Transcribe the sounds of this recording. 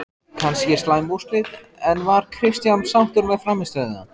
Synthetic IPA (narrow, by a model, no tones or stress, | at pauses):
kʰanscɛst̪lajmvu̥st̪lɪð | ɛnvaɾ̥kʰɾɪst̪jansawht̪ʏɾmɛðfɾaːmɪst̪aðna̰